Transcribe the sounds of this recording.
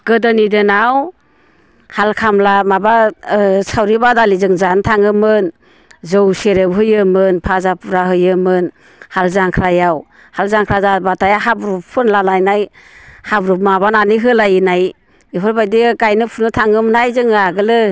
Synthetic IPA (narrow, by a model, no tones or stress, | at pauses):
ɡ̥ɯdɯnidɯnaw | halkʰamlamabasawɾibadalizɯŋzantʰaŋɯmɯn | zɯwseɾebɦɯjɯmɯnpʰazapuɾaɦɯjɯmɯn | halzaŋkʰɾajaw | halzaŋkʰɾazabatʰajaɦabɾuppʰunlalajnaj | habɾup̚mabananiɦɯlajinaj | ipʰɯɾbajdiɡajnɯpʰunɯtʰaŋɯmnajzɯŋaɡɯlɯ